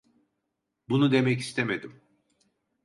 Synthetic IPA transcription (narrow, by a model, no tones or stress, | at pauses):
bunud̪e̞mɛci̥st̪ʰemed̪im